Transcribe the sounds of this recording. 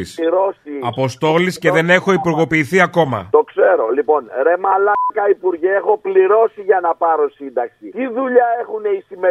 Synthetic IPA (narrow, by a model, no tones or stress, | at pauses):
isɾosiɐpo̞st̪o̞lisce̞ðe̞ne̞xo̞ipuɾɣo̞piːθiɐko̞mɐ̰t̪o̞kse̞ɾo̞lipo̞nɾemɐlɐkɐipuɾʝeexo̞pliɾo̞siʝɐnɐpɐɾo̞sind̪ɐksic̪iðuʎɐe̞xuneisime